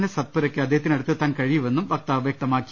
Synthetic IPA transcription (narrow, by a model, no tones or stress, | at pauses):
nesɐt̪̚puɾɐkːɨɐd̪ːeɦɐt̪ːinɐɽut̪ːet̪ːaːnkɐɻijuʋe̞nːumbɐk̚t̪aːʋjɐk̚t̪ɐmaːkːi